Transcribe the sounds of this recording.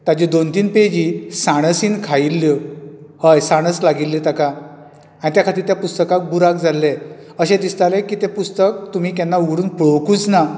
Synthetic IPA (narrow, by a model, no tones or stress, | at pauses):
t̪ad͡ʑid̪ont̪iːnped͡ʑiːsaɽ̃əsinkʰailːjɔhəjsaɽ̃əslaɡilːit̪aka | anit̪jakʰat̪iːɾt̪japust̪əkak̚buɾakd͡zalːeəɕẽd̪ist̪alẽkiːt̪epust̪ək̚t̪um̤iːkanːauɡɽuːnpɭokuːt͡sna